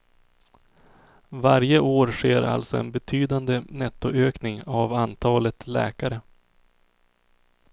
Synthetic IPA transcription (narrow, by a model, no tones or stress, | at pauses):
vaɾjəʔoːɾʂeːɾa̰lt̪sɔɛ̰nbɛt̪ʰyːd̪and̪ənɛt̪ːʊʔøːknɪŋavant̪ʰɑːlət̪lɛ̰ːkaɾə